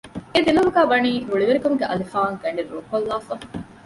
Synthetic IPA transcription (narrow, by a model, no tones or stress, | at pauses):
ed̪ilɐluɡæːbɐniːɦuɭiʋeɾikomuɡeʔɐ̰lifaːŋɡɐɳɖeɾoːkolːaːfɐ